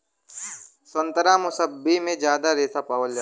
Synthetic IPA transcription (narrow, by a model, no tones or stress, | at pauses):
sə̃nt̪əɾamʊsəbːimẽd͡ʒjaːd̪aɾeːsapaːʋəld͡ʒa